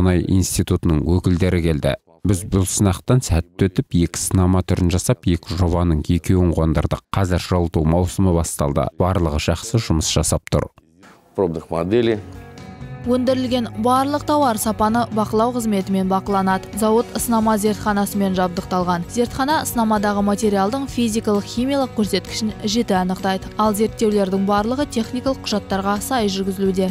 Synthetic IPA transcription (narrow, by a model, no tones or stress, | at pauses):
ʊnɑjʔḭjnst̪ijt̪ut̪ənəɴwɵkʲɪld̪e̞ɾɪkʲʰe̞ld̪ɪ̰ | bɪzbʊlˠsənɑqt̪ɑnsæt̪ːwɵt̪ɪpje̞kʲɪ̥sənɑmɑt̪ʰʏɾɪnʒɑsɑpje̞kʲɪʒo̞βɑnəɴe̞kʲe̞wɪɴqʰond̪ə̰ɾd̪əqqʰːɑzɪɾʒ̥ɑlˠt̪umɑwsəməbɑst̪ɑ̰lˠd̪ə̰b̥ɑɾlˠəʁəʒ̥ɑχsəʒʊməsʒ̥ɑsɑp̚t̪ʰʊ̰ɾ | probd̪əχmad̪elʲi | wɵnd̪ɪɾɪlɡʲe̞nbɑɾlˠəq̚t̪ʰɑwɑɾsɑpɑnəbɑqəlˠɑwqʰəzme̞t̪ɪme̞nbɑqəlˠɑnɑd̪əzɑwət̪əsənɑmɑze̞ɾt̪χɑnɑsəme̞nʒɑb̚d̪əq̚t̪ɑlˠʁɑnze̞ɾt̪χɑnɑsənɑmɑd̪ɑʁəmat̪e̞ɾʲijalˠd̪əɴfijzijkɑlˠəqχijmʲijalˠəq̚kʲʰːɵɾse̞t̪kʲɪ̥ʃɪnʒe̞t̪ɪɑnəqt̪ɑjd̪əɑlˠze̞ɾt̪ːe̞wle̞ɾd̪ɪŋbɑɾlˠəʁət̪ʰe̞χnijkɑlˠəq̚qʰːʊʒɑt̪ːɑɾʁɑsɑjʒʏɾɡʲɪzɪlud̪e̞